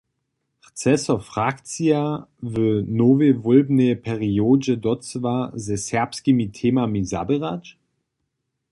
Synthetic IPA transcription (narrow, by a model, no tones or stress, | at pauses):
ʁt͡sɛsɔfʁ̥akt͡siavənovevɔlbnəpʰɛʁioːd͡ʒədɔt͡svazɛsɛɐpskimitʰeːmamiza̰bəʁat͡ʃ